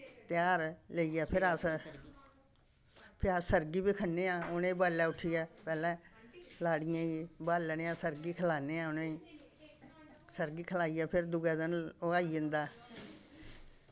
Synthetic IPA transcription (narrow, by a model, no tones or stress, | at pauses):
t̪ɪjaːɾleiːaːpʰɪɾəs | pʰɪasəɾɡiːbiːkʰənːeːãːʊnẽːbaːlaːʊʈʰijaːpɛːlɛ̃ːlaːɽɪjãːibaːlneːãːsəɾɡiːkʰəlaːneːãːʊneː | səɾɡiːkʰəlaːiːaːpʰɪɾd̪ʊɡɛːd̪ənaːiɪnd̪aː